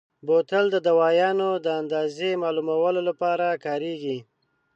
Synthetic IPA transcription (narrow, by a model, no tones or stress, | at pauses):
bot̪əld̪əd̪awɑjɑnod̪əand̪ɑzemɑlumawəlolapɑɾakɑɾeɡi